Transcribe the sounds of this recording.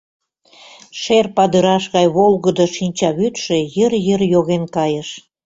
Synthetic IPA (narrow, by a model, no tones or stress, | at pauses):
ʃerpɑd̪əɾɑʃɣɑjβolɣəd̪oʃinʲt͡ɕɑβyt̪ʃejərjərjoɣenkɑjəʃ